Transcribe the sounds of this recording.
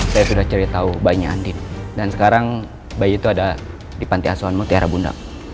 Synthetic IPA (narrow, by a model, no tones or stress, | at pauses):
sajasudaht͡ʃəɾit̪aubaiɲaːndɪndansə̥kaɾaŋ | baiːt̪uada | dipant̪iasuanmut̪iaɾabunda̰ʔ